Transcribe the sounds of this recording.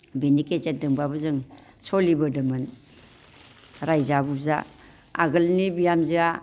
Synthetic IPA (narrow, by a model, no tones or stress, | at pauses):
beniket͡ʃendɯŋbabɯzɯŋ | solibɯdɯmɯn | ɾajzabuza̰ | a̰ɡɯlnibijamzia